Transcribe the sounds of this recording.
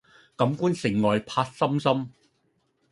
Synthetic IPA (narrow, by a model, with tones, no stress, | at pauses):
kɐ˨˥mkuː˥nsɪ˨˩ŋːɔː˨˩jpʰaː˧t̚sɐ˥msɐ˥m